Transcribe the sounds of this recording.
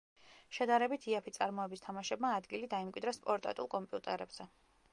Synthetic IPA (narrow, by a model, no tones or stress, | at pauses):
ʃɛd̪aɾɛbit̪ʰiapʰit̪sʼaɾmɔɛbist̪ʰamaʃɛbmaːd̪ɡilid̪aimkʼwid̪ɾaspʼɔɾt̪ʼa̰t̪ʼulˠkʼɔmpʼiut̪ʼɛɾɛbz̥ɛ